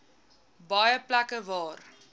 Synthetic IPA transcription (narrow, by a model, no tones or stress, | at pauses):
bɐjəplækəvɑːr